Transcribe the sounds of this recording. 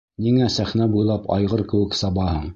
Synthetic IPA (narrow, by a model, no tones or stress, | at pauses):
niŋæsæχnæbujlˠɑpɑ̰jʁɤɾkɘ̆wɘksɑbɑhɤɴ